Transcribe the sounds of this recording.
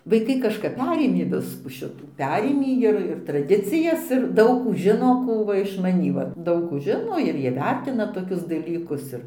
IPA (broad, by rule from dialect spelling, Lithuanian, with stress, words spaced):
ʋɐɪˈkɐɪ kɐʃˈkɐp ˈpʲæːrʲeːmʲeː ˈʋʲɪskuː ˈʃʲɪtuː ˈpʲæːrʲeːmʲiː ɪr ɪr trɐˈdʲɪt͡sʲɪjɛs ɪr ˈdɐʊk ˈkuː ˈʒʲɪnoː ˈkuː ʋɐ ɪʃ mɐˈnʲiː ˈʋɐ ˈdɐʊk kuː ˈʒʲɪnoː ɪr ˈjiɛ ˈʋʲɛrʲtʲɪnɐ toːˈkʲʊs dɐˈlʲiːkʊs ˈɪr ɪʃmɐnʲiːtʲɪ dɐʊk ʒʲɪnoː ɪr iːʋʲɛrʲtʲɪnɐ toːkʲʊs dɐlʲiːkʊs ɪr